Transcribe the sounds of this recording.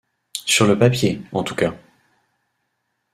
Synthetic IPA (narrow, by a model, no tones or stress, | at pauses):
syʁləpapjeɑ̃t̪uka